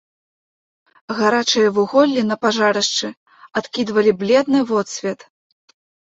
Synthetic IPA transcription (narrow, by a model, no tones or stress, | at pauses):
ɣaɾat͡ʂɨjɐvɨɣɔlʲːinɐpaʐaɾɐʂt͡ʂɨ | at̪kʲid̪vɐlʲiblʲɛd̪nɨvɔt̪sʲvʲɛt̪